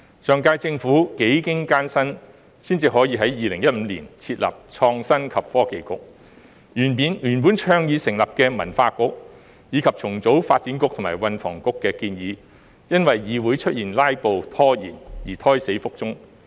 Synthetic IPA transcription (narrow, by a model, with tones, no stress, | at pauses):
sœː˨ŋkaː˧jt͡sɪ˧ŋfuː˨˥ke˨˥jkɪ˥ŋkaː˥nsɐ˥n | siː˥nt͡siː˨hɔː˨˥jiː˧ɦɐ˨˥jjiː˨˧lɪ˨˩ŋjɐ˥t̚m̩ː˨˧˦lḭː˨˩nt͡sʰiː˧t̚lɐ̰ː˨˩p̚t͡sʰɔː˧ŋsɐ˥nkʰɐ˨p̚fɔː˥ke˨˧jkʊ̰˨k̚ | jyː˨˩npiː˨˧nyː˨˩npu˨˥nt͡ʃʰœː˧ŋjiː˨˧sɪ˨˩ŋlɐ˨p̚kɛː˧mɐ̰˨˩nfaː˧kʊ˨˥k̚ | jiː˨˧kʰɐ˨p̚t͡sʰʊ˨˩ŋt͡so˨˥wfaː˧t̚t͡siː˨˥nkʊ˧k̚t̪ʰmaː˨˩wɐ˨nfɔ̰ː˨˩ŋkʊ˨kːɛː˧kiː˧njiː˨˧ | jɐ˥nwɐ˨jːiː˨˧wuː˨˥jt͡ʃʰɵ˥t̚jiː˨˩nlaː˥jpo˨wt̪ʰɔː˥jḭː˨˩njiː˨˩t̪ʰɔː˥jse˨˥jfʊ˥k̚t͡sʊ˥ŋ